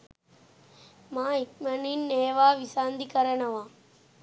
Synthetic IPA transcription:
maːik̚mɐninːeːʋaːʋisaːnd̪ikɐɾɐɳɐʋãː

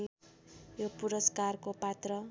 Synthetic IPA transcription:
jopuɾʌskarkopat̪rʌ

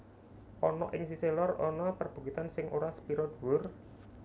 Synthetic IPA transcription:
ʔɔnɔʔɪŋsiselɔrɔnɔpərb̥ṳkit̪ansɪŋʔoɾasə̥piɾɔd̪̥uwʊr

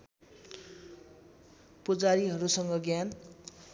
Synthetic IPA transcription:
pud͡zaɾiɦʌɾusʌŋɡʌɡjan

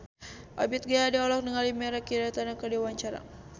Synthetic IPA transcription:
ʔa̰bit̪̚ɡaadaɔlɔk̚nəŋalimɛɾakidat̪anakədiwaɲt͡ʃaɾa̰

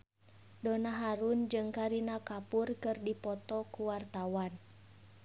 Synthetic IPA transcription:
dɔnaɦaɾund͡ʒɨŋkaɾinakapurkɨrdipɔt̪ɔkuwart̪awan

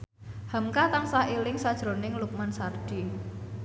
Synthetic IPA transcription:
hamkat̪aŋsailɪŋsad̥ʒ̥ɾo̤nɪŋluk̚mansard̥i

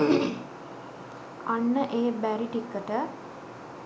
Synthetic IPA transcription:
anːəʔeːbæɾiʈikːəʈə

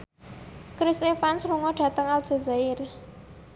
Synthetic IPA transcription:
kɾisefansruŋɔɖ̥ä̤t̪əŋald̥ʒ̥ə̤zaɪr

